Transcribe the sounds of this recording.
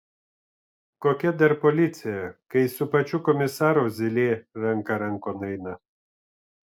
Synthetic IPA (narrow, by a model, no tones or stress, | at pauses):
koːkʲɛd̪ɐɾpɔlʲɪt̪sʲɪjɛkɐɪsʊpɐt͡ʃʲʊkɔmʲɪsɑːɾuːzʲɪlʲeːɾɐŋkɐɾɐŋkoːnɐɪnɐ